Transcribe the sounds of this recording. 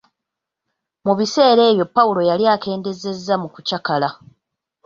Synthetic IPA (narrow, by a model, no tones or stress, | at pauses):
muβise̞ːɾe̞ːβjo̞pːawulo̞jaljaːke̞ːnde̞ze̞zːamukucakala